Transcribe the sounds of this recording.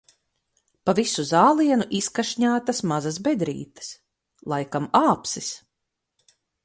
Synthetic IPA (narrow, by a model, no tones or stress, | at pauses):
pavisuzaːlˠiɛnuʔiskaʃɲaːt̪asmazas̬bɛd̪ɾḭːt̪ɐ̥s | lˠajkamaːpsis